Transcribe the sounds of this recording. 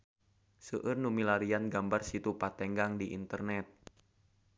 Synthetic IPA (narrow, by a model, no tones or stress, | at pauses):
səʔɨrnumilaɾianɡambarsit̪upat̪ɛŋɡaŋdiʔḭnt̪ərnɛt̪̚